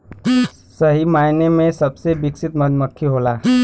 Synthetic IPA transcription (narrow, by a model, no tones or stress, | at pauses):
sɐɦimaːinemẽsɐbsebɪksɪt̪mɐd͡ʒməkʰːiɦoːlaː